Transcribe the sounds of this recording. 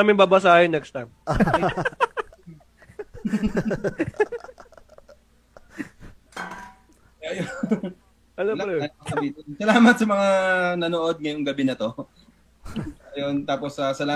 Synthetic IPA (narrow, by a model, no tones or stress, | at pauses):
mɪŋbɐbɐsaːhɪnːɛkst̪ɐm | ɐjo | ʔɐlɐɾɐjɐbiːt̪ɪnsɐlaːmɐt̪̚sɐmɐŋanɐnoːʔod̪̚ŋɐjoŋɡɐbɪnɐt̪o̞ | ɐjont̪aːposɐsɐlaː